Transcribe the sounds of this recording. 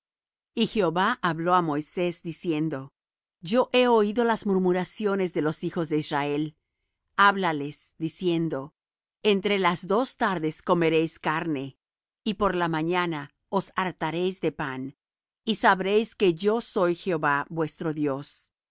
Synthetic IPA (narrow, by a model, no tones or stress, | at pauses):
ixeoβaʔaβlo̞amo̞jse̞zd̪isje̞nd̪o̞ | ɟ͡ʝo̞ʔe̞oiðo̞lazmuɾmuɾasjo̞ne̞zðe̞lo̞sixo̞zðeisrae̞l | aβlalesd̪isje̞nd̪o̞ | ent̪ɾe̞lazðo̞st̪aɾðe̞sko̞me̞ɾe̞jskaɾne̞ | ipo̞ɾlamaɲana | osaɾt̪aɾe̞jzd̪e̞pan | isaβɾe̞jske̞ʝo̞so̞jxeoβabwe̞st̪ɾo̞ðjo̞s